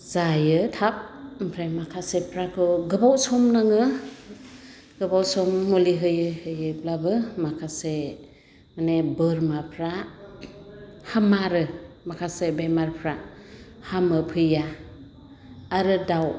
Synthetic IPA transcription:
zajɯtʰap̚mpʰɾemakʰasepʰɾakʰɯɡɯbawsɔmnaŋɯ | ɡɯbawsɔmːoliɦɯjɯhɯjɯb̚labɯmakʰase | manebɯɾmapʰɾa | hamaɾɯmakʰasebemaɾpʰɾahamɯpʰɯja | ɾɯdaw

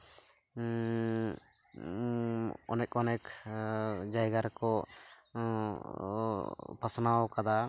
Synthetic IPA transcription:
ɔ̰nɛk̚ɔnɛk | d͡ʒajɡaɾkɔ | pəsnawkad̪a

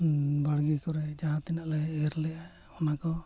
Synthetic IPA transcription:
baɽɡisɔɾɛd͡ʒaɦat̪ɛnaʔlɛɛɾlɛja | ɔnakɔ

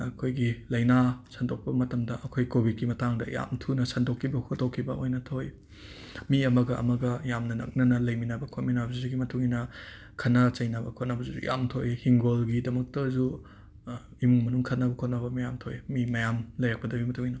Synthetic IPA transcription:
ɐkʰojɡilɐjnasɐndok̚pɐmɐtɐmdɐʔɐkʰojkobit̚kimɐtaŋdɐja̰mtʰunɐsɐndokʰːibɐhot̚dokʰːibɐojnɐtʰoj | miɐmɐɡɐʔɐ̰mɐɡɐjamnɐnɐ̰k̚nɐnɐlɐjminabɐkʰotminabɐzuzuɡimɐtʰuŋinɐ | kʰɐnat͡ʃɐjnabɐkʰotnɐbɐzuzṵja̰mtʰojhiŋɡolɡidɐmɐk̚tɐzu | imuŋmɐnuŋkʰɐt̚nɐbɐkʰotnabɐmɐjamtʰojmimɐjamlɐjɾak̚pɐdɐbimɐtʰuŋinɐ

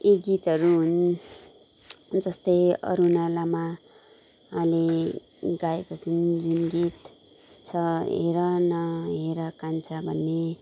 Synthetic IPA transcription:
eɡit̪ɦʌɾuɦun | d͡zʌst̪ʌjʌ̰ɾunalama | ɦãle | ɡaekot͡sʰʌnd͡zinɡit̪t͡sʰʌɦḛɾʌnʌɦeɾʌkant͡sʰabʱʌnːe

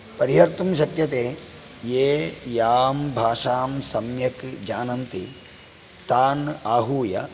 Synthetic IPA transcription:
pɐɾiɦɐɾt̪umʃɐkjɐt̪eː | jeːjaːmbʱaːʂaːmsɐmjɐkd͡ʒaːnɐnt̪i | t̪aːnaːɦuːjɐ̰

